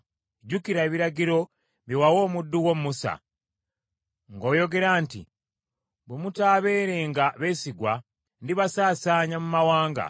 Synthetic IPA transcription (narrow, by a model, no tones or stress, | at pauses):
ɟukiɾaeβiɾaɟiɾo̞ | βiwawo̞ːmudːuwo̞mmusa̰ | ŋɡo̞ːjo̞ɡe̞ɾaːntḭ | βwemutaːβe̞ːɾeːŋɡaβe̞ːsiɡwa | ndiβasaːsaːɲamumawaːŋɡa̰